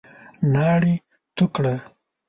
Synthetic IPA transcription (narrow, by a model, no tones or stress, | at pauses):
nɑɽi | t̪ʊkɽa